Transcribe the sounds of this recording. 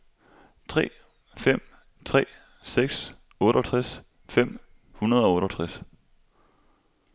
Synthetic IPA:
t͡sʰʁɛ̰ː | fem̰ | t͡sʰʁɛ̰ː | seɡ̥s | ɔ̽ːɾɒt͡sʰʁas | fem̰ | hunɐð̞ˠɒ̽ɔ̽ːɾɒt͡sʰʁas

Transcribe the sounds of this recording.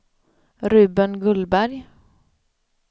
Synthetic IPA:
ɾʉ̟ːbənɡɵlbæɾj

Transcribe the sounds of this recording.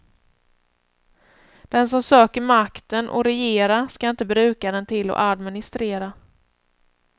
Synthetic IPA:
d̪̥ɛns̬ɔmsøːkəɾmakt̪ənʔɔ̰ɾɛjeːɾaskaɪnt̪əbɾʉ̟ːkad̪ɛnt̪ʰɪlːɔ̰ʔad̪mɪnɪst̪ɾeːɾa

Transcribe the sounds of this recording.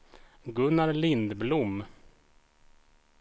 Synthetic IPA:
ɡɵnːaɾlɪnd̪blʊm

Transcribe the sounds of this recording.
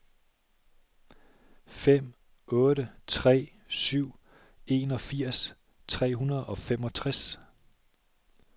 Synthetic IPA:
fem̰ | ɔ̽ːɾət͡sʰʁɛ̰ː | syʊ̰ | e̝ːnɒ̽fiɐ̰s | t͡sʰʁɛ̰ːɦunɐð̞ˠɒ̽fem̰ɒ̽t͡sʰʁas

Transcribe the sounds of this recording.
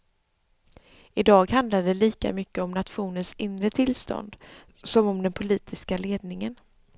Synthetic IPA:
ɪd̪ɑːɡhand̪laɖɛliːka̰mʏkːəɔmnat̪ɧuːnənsɪnɾət̪ʰɪlst̪ɔ̰nd̪ | sɔmɔmd̪ɛnpʰʊliːt̪ʰɪskaleːd̪nɪŋən

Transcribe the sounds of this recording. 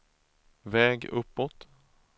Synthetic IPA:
vɛːɡɵpːɔt̪

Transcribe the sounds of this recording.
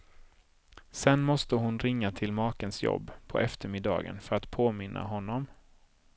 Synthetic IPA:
sɛnmɔst̪əɦʊnɾɪŋːat̪ʰɪlmɑːkənsjɔ̰bːpʰɔ̰ʔɛft̪əɾmɪd̪ɑ̰ːɡə̰nfœɾat̪pʰoːmɪnːʔa̰ɦɔnːɔm

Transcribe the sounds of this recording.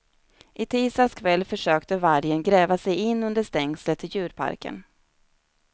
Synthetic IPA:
ʔɪt̪ʰiːst̪askʰvɛlːfœʂøːkt̪əvaɾjənɡɾɛːvasɛjɪnːɵnd̪əʂt̪ɛŋslət̪ʰːɪljʉ̟ːɾpʰa̰ɾkʰə̰n

